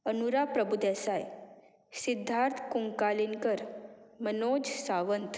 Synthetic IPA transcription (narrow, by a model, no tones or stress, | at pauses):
ənuɾapɾəbud̪ɛsaj | sid̪ʱːaɾt̪ʰkuŋkaliŋkəɾmənod͡ʑsaʋənt̪